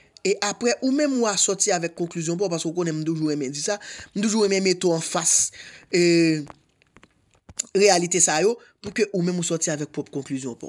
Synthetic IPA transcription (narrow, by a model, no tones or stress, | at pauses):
eʔapʁɛʔumɛ̃muasɔtiavɛkːɔ̃klyzjɔ̃p̬ɔpaskeokõnɛ̃m̩t̪̬uʒuɣɛmɛ̃d͡zisam̩t̪̬uʒuɣɛmɛ̃met̪oãfas | ʁealit̪esajo | pukøʔumɛ̃musɔtiavɛk̚pʁɔpkɔ̃klyzjɔ̃pɔ̰